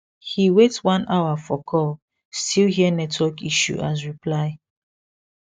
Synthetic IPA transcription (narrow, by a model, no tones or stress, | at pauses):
hiwetwãnʔawafɔkʰɔl | stʰilhiənɛtʰwɔkiʃṵʔas̬ɹipʰlaɪ